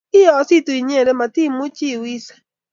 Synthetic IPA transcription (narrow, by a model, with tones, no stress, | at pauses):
i˦ɔ˨˦si˦˨tu˨i˨ɲe˦e˨ɾe˦ma˨ti˦mʊ˦t͡ʃi˦˨wi˦sḁ˦